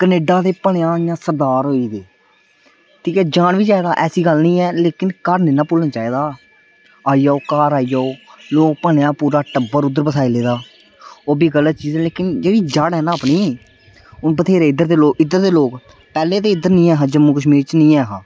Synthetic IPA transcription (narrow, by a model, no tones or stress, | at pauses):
kəneːɖaːt̪eːpəɳejãːjãːsəɾd̪aːɾɦoːiːd̪eː | kʰiːkɛːd͡ʒaːɳʋiːt͡ʃaːiːd̪aːʔɛːsiːɡəlnĩːɛːleːkɪnkəɾnẽːnaːpʊlnt͡ʃaːiːd̪aː | aːijaːoːkaːɾaːiːd͡ʒaoːloːk̚pəɳjãːpuːɾaːʈəbəɾʊd̪ːəɾpəsaːiːleːd̪aː | oːbiːɡəlːət̪̚t͡ʃiːzɛːleːkɪnd͡ʒeːɽiːd͡ʒaɽɦɛːnãːəpniː | ʊnpət̪ʰeːɾeːɪd̪əɾd̪eːloːkɪd̪əɾd̪eːloːk | pɛːleːt̪eːɪd̪əɾnĩːɛːɦãːd͡ʒəmũːkəʃmiːɾt͡ʃnĩːɛːɦãː